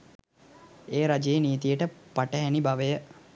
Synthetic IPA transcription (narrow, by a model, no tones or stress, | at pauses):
eːɾad͡ʒejeniːt̪ijəʈəpaʈəɦænibaʋəjə